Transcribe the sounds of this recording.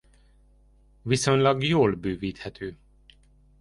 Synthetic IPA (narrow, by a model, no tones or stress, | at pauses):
viso̞ɲlɒɡjoːlbøːviːt̪hɛt̪ʰøː